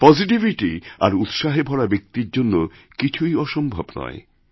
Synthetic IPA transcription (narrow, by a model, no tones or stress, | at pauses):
pɔd͡ʑiʈibiʈia̰ɾut̪ʃaɦebʱɔɽabek̚t̪iɾd͡ʑonːo | kit͡ɕʰujɔʃombʱobnɔ̰e